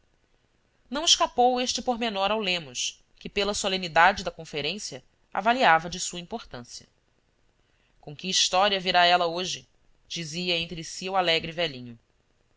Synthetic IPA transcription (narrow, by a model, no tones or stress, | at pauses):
nɐ̃w̃ɪʃkapoweʃt͡ʃɪpoɾmenɔɾawlẽmʊʃ | kɪpelɐsolẽnid̪ad͡ʒɪd̪ɐkõfeɾẽsjɐ | a̰valiavɐd͡ʒɪsuɐĩpoɾt̪ɐ̰̃sjɐ̰ | kõkɪiʃt̪ɔɾiɐviɾaɛlɐoʒɪ | d͡ʒiziɐẽnt̪ɾɪsiuwalɛɡɾɪvɛʎĩɲʊ